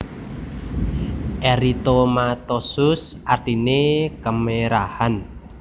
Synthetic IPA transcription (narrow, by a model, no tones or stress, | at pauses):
ʔeɾit̪omat̪osʊsʔart̪inekəmeɾahan